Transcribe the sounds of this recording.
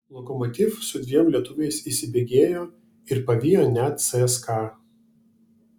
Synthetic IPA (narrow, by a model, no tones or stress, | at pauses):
lˠɔkɔmɔt̪ʲɪfsʊd̪ʲʋʲiɛmlʲiɛt̪ʊʋʲɛɪsisʲɪbʲeːɡʲeːjoː | ɪɾpɐʋʲijonʲɛt̪̚sɛskɑ